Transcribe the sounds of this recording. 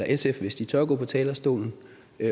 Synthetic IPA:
ɐʔesefʋe̝sd̥it͡sʰɒɡ̥ɔ̰ːpʰɒ̽t͡sʰɛːlɐsd̥o̝̰ːln̩ | ø

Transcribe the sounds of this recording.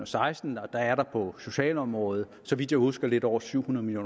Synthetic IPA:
ɒsɑ̈ɪsd̥n̩ɒ̽d̥ɑ̈æɐɾɑ̈pʰɒ̽so̝ɕɛ̰ːlɒ̽mʁɔ̽ːð̩ˠ | sɒ̽ʋid̥jɑ̈ɪhusɡ̥ɐle̝d̥ɒʊ̰ɐsyʊ̰hunɐð̩ˠmiljo̝̰ːn

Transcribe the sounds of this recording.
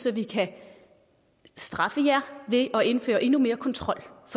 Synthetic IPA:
sɒ̽ʋikʰæ | sd̥ʁɑ̈fəjæɐ̰ʋe̝ʔɒ̽e̝nfø̰ːɐʔe̝nume̝ːɐkʰɒ̽nt͡sʰʁɒ̽l̰fɒ

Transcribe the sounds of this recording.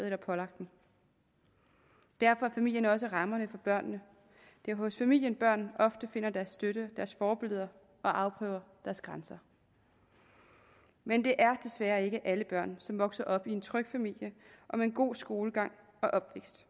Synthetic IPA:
elɐpʰɒ̽lɑ̈ɡ̥̚d̥n̩ | d̥æɐ̰fɒ̽æɐfæmil̰jənɒ̽s̬əʁɑ̈mɐnəfɒ̽b̥ɶɐ̰nːə | d̥e̝æɐɦɔ̽sfæmil̰jənb̥ɶɐ̰nʔɒ̽fd̥əfe̝n̰ɐd̥æɐsd̥øɾəd̥æɐsfɒːb̥e̝lð̞ˠɐ | ɒ̽ʔɑ̈ʊpʰʁœ̰ːʊ̰ɐd̥æɐsɡ̥ʁɑnsɐ | mend̥e̝ʔæɐd̥e̝sʋæːɐe̝ɡ̥əʔæləb̥ɶɐ̰nsɒ̽mʋɒ̽ɡ̥sɐʔɒ̽b̥ie̝nt͡sʰʁœɡ̥fæmil̰jəʔɒ̽meenɡ̥o̝̰ːsɡ̥o̝ːləɡ̥ɑ̈ŋ̰ | ɒ̽ʔɒ̽b̥ʋeɡ̥sd̥

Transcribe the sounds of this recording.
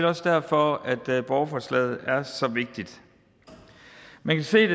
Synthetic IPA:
lɒ̽səd̥æɐ̰fɒ̽æd̥b̥ɒʊɐfɒslɛ̰ð̩ˠæɐsɒ̽ʋe̝ɡ̥̚d̥id̥ | mænkʰæse̝̰ːd̥e

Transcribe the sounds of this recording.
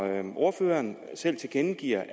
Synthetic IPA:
ʔo̝ɐføːɐːn | sel̰t͡sʰe̝lɡ̥enəɡ̥iɐ̰

